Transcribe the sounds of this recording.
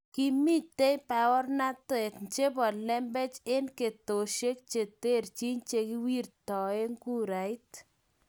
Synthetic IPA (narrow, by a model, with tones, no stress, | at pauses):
ki˦mi˦tːe˦jpa˨wɔ˦rna˦twe˨tnt͡ʃe˦pɔ˨lɛ˦mbe˦t͡ʃe˦nke˨to˨ʃe˦k̚t͡ʃe˨te˦˨rt͡ʃi˦ɲt͡ʃe˧ki˦wi˦rtɔ˨e˦ŋku˦ɾa˨i˦t